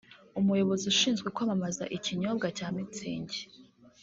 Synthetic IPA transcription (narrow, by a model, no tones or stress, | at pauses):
umujo̞βo̞ziuʃiːnzɡwekwamamaza̰ʔiciɲo̞b̚ɡacaːmit͡sḭːɲɟe